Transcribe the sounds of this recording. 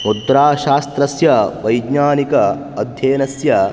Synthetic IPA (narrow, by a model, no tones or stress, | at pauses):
mut̪ːɾaːʃaːst̪ɾɐsjɐʋɐjɡɲaːnikɐː | d̪ʱjeːnɐsjɐ